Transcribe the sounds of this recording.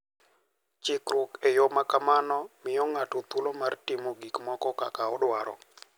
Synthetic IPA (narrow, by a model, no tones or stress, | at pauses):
t͡ʃɪkɾʊkejomakamanɔmɪjɔŋatot̪ulomartɪmoɡikmɔkɔkakaɔdwaɾɔ̰